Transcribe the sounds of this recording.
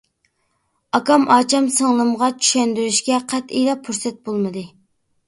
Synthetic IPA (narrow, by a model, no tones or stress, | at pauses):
ɑkɑmʔɑːt͡ʃʰɑmsəŋlˠɨmʁɑt͡ʃʰy̥ʃɛnd̪yɾyʃkʲɛqʰæt̪ijlɛpʰːuɾsɛt̪̚bolˠmɨd̪ɨ